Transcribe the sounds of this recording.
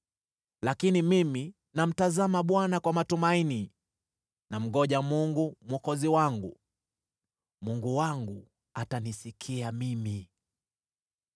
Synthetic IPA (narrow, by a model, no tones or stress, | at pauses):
lakinimimi | nam̩tazamaɓwanakwamatumaini | nam̩ɡɔʄamuŋɡumwɔkɔziwaŋɡu | muŋɡuwaŋɡu | atanisikʰiamimi